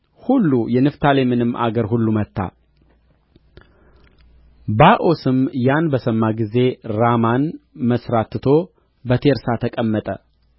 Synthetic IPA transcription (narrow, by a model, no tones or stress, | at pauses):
hulːujɛnɨft̪ʰalemɨnɨmʔa̰ɡəɾɦulːumət̪ʰːa̰ | baʔosɨmjanbəsəmːaɡize̞ɾamanməsɾat̪t̪ʰo̞ | bət̪ʰe̞ɾsat̪ʰəkʼəmːət̪ʼə̰